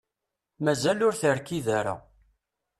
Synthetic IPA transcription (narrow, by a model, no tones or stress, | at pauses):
mæzælʊɾθəɾkiðaɾa̰